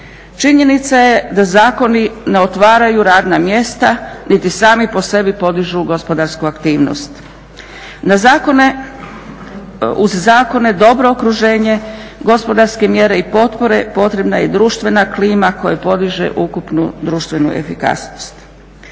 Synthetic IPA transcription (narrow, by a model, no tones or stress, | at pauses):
t͡ʃiɲe̞nit̪saje̞d̪azaːko̞nine̞o̞t̪ʋaːɾajuɾaːd̪namje̞st̪anit̪isaːmipo̞se̞bipo̞d̪iʒuɡo̞spo̞d̪aɾskuakt̪iːʋno̞̰st̪ | nazakone | uzːaːko̞ne̞d̪o̞bɾo̞okɾuʒe̞ːɲe̞ | ɡo̞spo̞d̪aɾske̞mje̞ɾe̞ipo̞t̪po̞ɾe̞po̞t̪ɾe̞bnajed̪ɾuːʃt̪ʋe̞nakliːmako̞jepo̞d̪iʒḛʔukupnṵd̪ɾuːʃt̪ʋe̞nṵʔḛfika̰sno̥st̪